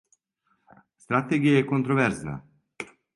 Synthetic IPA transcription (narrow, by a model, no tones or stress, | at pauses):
st̪ɾat̪eɡijajɛkont̪ɾovɛɾzna̰